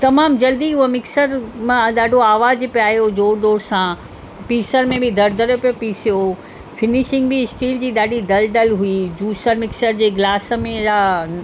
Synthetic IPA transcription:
t̪ɐmaːmd͡ʑɐld̪iʊɦemɪksəɾmẽɗaːɖʱoaːʋaːzpijaːɦjod͡ʑoːɾɗ̪oːɾsã | piːsəɾmẽbɪd̪ʱɐɾd̪ʱəɾjopijopiːsijo | fɪnɪʃɪ̃ŋɡbɪsʈiːld͡ʑiːɗaːɖʱid̪ɐld̪ɐlɦuid͡ʑuːsəɾmɪksəɾd͡ʑeːɡlaːsəmẽa

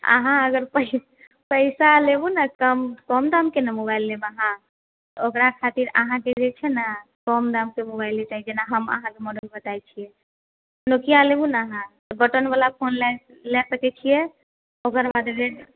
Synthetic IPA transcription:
ə̰ɦãəɡəɾpə | pəɪsalebunəkəmkɔmd̪amkenəmobailːebaɦã | t̪okɾakʰat̪iɾə̰ɦãked͡ʒet͡ʃʰɛna | kɔmd̪amkemobajlet͡ʃaɦid͡ʒenaɦəmə̰ɦãkemɔɖəlbət̪ajt͡ʃʰijɛ | nokijalebunɦãt̪ɔbəʈənbalapʰonlɛ | lesəkɛt͡ʃʰijɛ | okəɾbad̪be

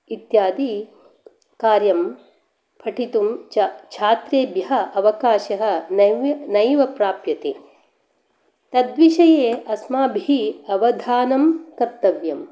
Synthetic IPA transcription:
it̪jaːd̪i | kaːɾjɐm | pʰɐʈʰit̪umt͡ʃʰaːt̪ɾeːbjɐɦɐ̆ʔɐʋɐkaːʃɐɦɐ̆nɐʋnɐjʋɐpɾaːpjɐt̪ḛː | t̪ɐd̪ʋiʃɐjeːɐsmaːbʱiiɐʋɐd̪ʱaːnɐmkɐɾt̪ɐʋjɐm

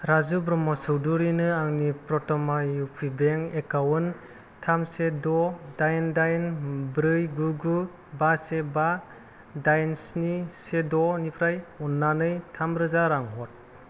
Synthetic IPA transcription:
ɾazubɾɔmɔsɯwduɾinɯaŋnipɾɔtɔmaupʰibeŋekawɯn | tʰamsedɔdajndajnbɾɯjɡuɡu | baseba | dajnsnisedɔnipʰɾajunːanɯjtʰamɾɯzaɾaŋɦɔt̚

